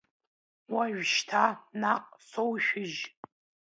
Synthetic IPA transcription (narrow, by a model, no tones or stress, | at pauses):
waʒᶣʃtʰanaqʼsowʃᶣɪʒ